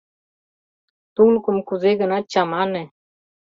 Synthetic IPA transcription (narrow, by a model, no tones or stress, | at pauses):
t̪uŋlkunkuzeɡənat͡ʃamanɛ